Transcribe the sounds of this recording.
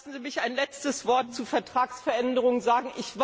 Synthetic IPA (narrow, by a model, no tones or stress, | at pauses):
sn̩ziːmɪçaɪnlɛt͡stəsv̥ɔɐt̚t͡suːfɛɐtʁ̥aːksfɛɐʔɛndəʁ̞ʊŋənzaːɡŋ̩ʔɪçv̥